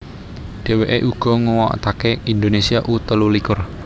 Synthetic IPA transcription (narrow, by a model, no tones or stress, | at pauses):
ɖ̥e̤weʔeʔuɡ̥ɔ̤ŋuwɔ̰ʔt̪akeind̪onesiaʔut̪əlulikʊr